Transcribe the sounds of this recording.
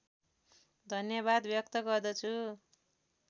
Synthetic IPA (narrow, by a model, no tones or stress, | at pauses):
d̪ʱʌnjʌβad̪bjʌkt̪ʌɡʌrd̪ʌt͡sʰu